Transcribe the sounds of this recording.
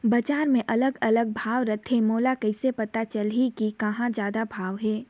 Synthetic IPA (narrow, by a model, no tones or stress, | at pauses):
bɐd͡ʒaːɾmẽʔɐləɡɐləɡ̚bʱaːʋɾɐt̪ʰemoːlakɐɪsepɐt̪at͡ʃəlɦikikɐɦãd͡ʒjaːd̪abʱaːʋɦɛː